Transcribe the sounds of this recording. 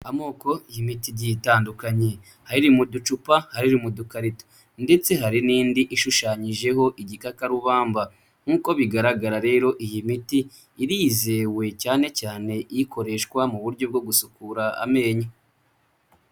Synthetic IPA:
amo̞ːko̞ijimitiɾɟitaːndukaɲe̞ | haɾiɾimudut͡ʃupahaɾiɾimudukaɾito̥ | nde̞t͡se̞ɦaɾiniːndiʔiʃuʃaːɲiʒe̞ɦo̞ʔiɟikakaɾuβaːmba | ŋ̥uːko̞βiɡaɾaɡaɾaɾe̞ːɾo̞ʔijimitiː | ɾize̞we̞caːne̞caːne̞ʔjiko̞ɾe̞ʃkwamuβuɾɟo̞b̚ɡo̞ɡusukuɾaa̰me̞ːɲa

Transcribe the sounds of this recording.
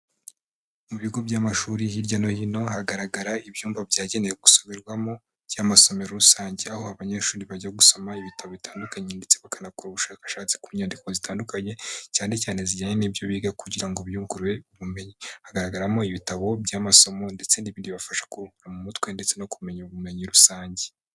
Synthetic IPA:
muβiɡo̞bɟaːmaʃuːɾihiɾɟano̞hino̞ɦaɡaɾaɡaɾaibjuːmvabɟaːɟe̞ne̞jeɡusoβiɾɡwamo̞ | bjaːmaso̞me̞ɾoɾusaːɲɟe̞aho̞aβaɲe̞ʃuːɾiβaɟaɡuso̞maiβitʰaβoβitaːndukaɲende̞t͡se̞βakanakuɾuβuʃaːkḁʃaːt͡si̥kuɲaːndikozitaːndukaɲe̞caːne̞caːne̞ziɟaːɲeniːbjo̞βiːɡakuɟiɾaŋɡoβjuːŋkuɾwe̞uβume̞ɲihaɡaɾaɡaɾamo̞iβitaβo̞bɟaːmaso̞mo̞nde̞t͡se̞ndiβiːndiβafaʃḁkuɾukuɾamumutwe̞ndet͡se̞no̞kume̞ɲuβume̞ɲiɾusaːɲɟe

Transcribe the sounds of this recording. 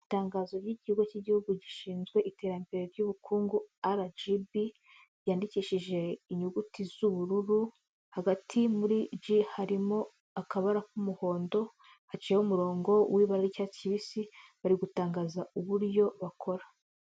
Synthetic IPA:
itaːŋɡaːzo̞ɾɟiɟihuɡociːɟihuɡuɟiʃiːnzɡwe̞ʔite̞ːɾambe̞ɾe̞ɾɟuβukʰuːŋɡuaɾad͡ʒibi | jaːndiciːʃiʒe̞iɲuɡutizuβuɾuɾu | haɡatʰimuɾid͡ʒihaɾimo̞ | akaβaɾakumuho̞ːndo̞ | hat͡ʃiːeomuɾo̞ːŋɡo̞wʔiːβaɾaɾicaːciβisiβaɾiɡutaːŋɡaːzauβuɾjo̞βakʰo̞ɾa

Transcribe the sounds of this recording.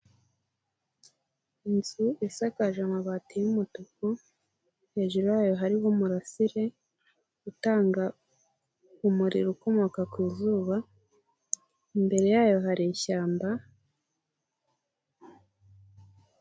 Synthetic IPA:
inzuʔisakaʒamaβatijumutoko | he̞ːʒuɾojaːjo̞ɦaɾiβomuɾasiɾe̞ | ɡ̥utaːŋɡa | umuɾḭɾuko̞mo̞kakwiːzuːβa | imbe̞ɾe̞jaːjo̞ɦaɾiçaːmba

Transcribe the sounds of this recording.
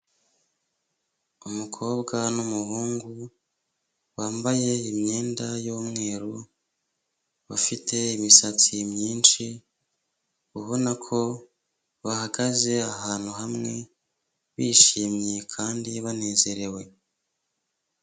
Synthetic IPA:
umukʰo̞ːbɡanumuɦuːŋɡu | waːmbaje̞imɲe̞ːndajoːmŋe̞ːɾu | βafitʰe̞imisat͡simɲiːnt͡ʃi | uβo̞nakʰo̞ | βahaɡaze̞ahaːn̥uɦamŋe̞ | βiːʃiːmɲekʰaːndiβane̞ːze̞ɾe̞we̞

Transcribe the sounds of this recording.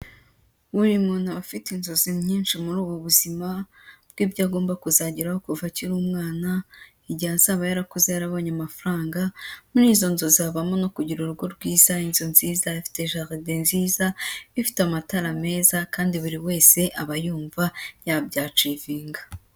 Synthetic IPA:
βuɾimŋonaβafitinzo̞zimɲiːnʃimuɾuːβwoβuzimabɡ̥iːbɟaːɡo̞ːmbakuzaɟiɾaho̞kuvatiɾuːmŋaːna | iɟihanz̥aːβajaɾakuzejaɾaβo̞ːɲamafaɾaːŋɡamuniːzo̞nzo̞ziaβamo̞no̞kuɟiɾuɾuɡo̞ɾɡwiːzainzonz̥iːzaifi̥te̞ʒaʁidenziːzaifi̥tamataɾame̞ːzakaːndiβuɾiwe̞ːse̞ʔaβajuːɱvajabɟaːt͡ʃiviːŋɡa

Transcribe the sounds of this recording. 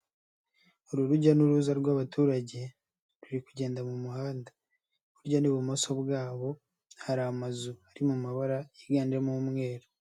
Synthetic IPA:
oɾuɾuɟanuɾuːzaɾɡwaːβatʰuːɾaɟe̞ | ɾuɾikuɟe̞ːndamumuhaːnda | βuɾɟoniβumo̞soβɡaːβo̞ | haɾaːmazuaɾimumaβaɾajiɡaːndiɾemumŋe̞ːɾo

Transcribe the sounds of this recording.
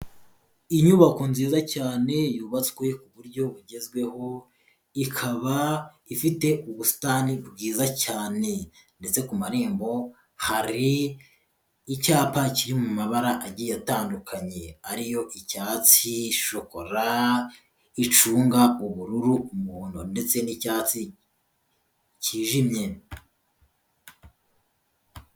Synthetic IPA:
iɲuβako̞nziːzacaːne̞juːβat͡swe̞kuβuɾɟo̞βuɟe̞zɡwe̞ho̞ | ikʰaβa | ifite̞uβustaːnibɡiːzacaːne̞ | nde̞t͡se̞kumaɾeːmbo̞ | haɾi | caːpaciɾimumaβaɾaʔaɟiːjataːndukʰaɲe̞aɾijo̞ʔicaːt͡siʃoko̞ɾa | it͡ʃuːŋɡauβuɾuɾuumuːnunde̞t͡se̞nicaːt͡si | ciːʒimɲe̞

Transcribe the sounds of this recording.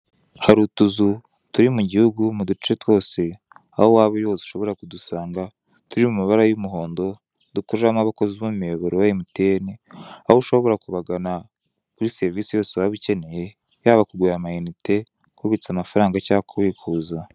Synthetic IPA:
haɾutuzu | tuɾimuɟihuɡumudut͡ʃe̞two̞ːse | a̰howaːβojoiuʃo̞βo̞ɾakudusaːŋɡa | tuɾimumiβaɾajumuɦo̞ːndo̞ | dukoamaβakoziβumumijoβoɾojajimiteniahouʃo̞βo̞ɾakuβaɡana | kuɾise̞ɾiviːsijo̞ːsewaβice̞ne̞je̞ | jaːβakuɡwejamajinite̞ | kuβit͡samafaɾaːŋɡacaːkuβiːkʰuːza

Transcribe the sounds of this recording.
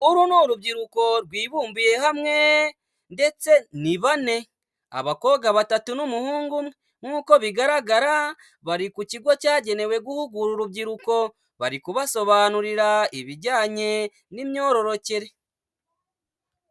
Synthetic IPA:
uɾunoːɾubɟiɾuko̞ɾɡwiːβuːmbije̞hamŋe̞ | nde̞t͡se̞niβane̞ | a̰βako̞ɡaβatatunumuhuːŋɡumŋe | ŋuːko̞βiɡaɾaɡaɾa | βaɾikuciɡwo̞caːɟe̞ne̞we̞ɡuhuɡuɾuɾubɟiɾuko̞ | βa̰ɾikuβaso̞βaːnuɾiɾaiβiɟaːɲe̞ | nimɲo̞ːɾo̞ɾo̞ceɾe̞

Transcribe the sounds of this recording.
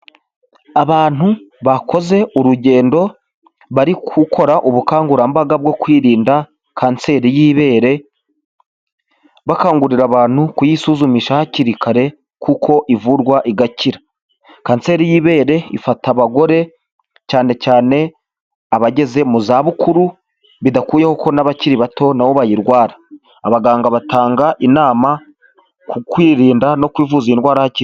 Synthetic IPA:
aβaːn̥uβako̞ze̞ʔuɾuɟe̞ːndo̞ | βaɾikʰukʰo̞ɾaʔuβukaːŋɡuɾambaɡab̚ɡo̞kwiːɾiːnda | kʰaːnse̞ːɾijiːβeːɾe̞ | βakaːŋɡuɾiɾaβaːn̥hukujisuːzumiʃahaciɾikʰaɾe̞ | kʰukʰo̞ʔivuɾɡwaʔiɡaciɾḁ | kaːnse̞ːɾijiβe̞ːɾe̞ḭfataβaɡo̞ɾe̞ | caːne̞caːne̞ | aβaɟe̞ze̞muzaβukuɾu | βidakuːjehokʰo̞naβaciɾiβato̞nawo̞βajiɾɡwaːɾaː | βaɡaːŋɡaβataːŋɡaʔinaːma | kukwiːɾiːndano̞kwiːvuzinɡwaːɾahacii

